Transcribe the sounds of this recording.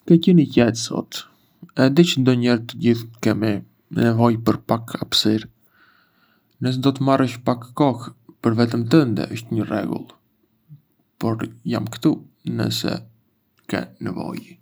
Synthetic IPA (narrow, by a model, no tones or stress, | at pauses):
kɛcɛnicɛt̪sɔ̰t̪ | ɛd̪it͡ʃənd̪ɔɲɛɾt̪əɟiθkɛmi | nɛvɔjpəɾpakʰapsiɾ | nəs̬ɛd̪ɔt̪əmarəʃpakːɔxpəɾvɛt̪əmt̪̬ənd̪ɛ̰ʔəʃt̪ɲərɛ̰ɡṵlˠ | pɔɾjamkə̥t̪u | nə̰sɛ̰ | kɛ̰nɛ̰vɔ̰j